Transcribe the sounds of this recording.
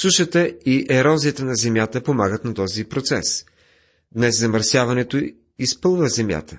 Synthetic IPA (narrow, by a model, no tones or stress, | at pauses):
suʃət̪əiʔɛɾɔziət̪ənɐzɛmjat̪əpomaɡət̪nɐt̪ɔzipɾot̪sɛ̰s | d̪nɛszɐməɾsjavɐnɛt̪o | ispɤlˠvəzɛmja̰t̪ʰə